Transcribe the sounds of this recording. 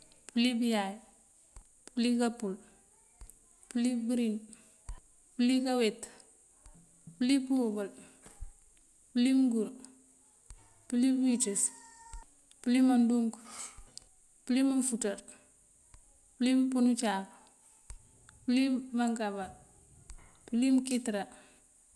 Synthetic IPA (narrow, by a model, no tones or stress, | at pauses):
pulibijaj | pulikapul | pulibuɾin | pulikawɛt | pulipubal | pulimuɡuɾ | pulibites | pulimanduŋk | pulimanfutaɾ | pulimpunut͡ʃaːk | pulimaŋkaba | pulimkitɾa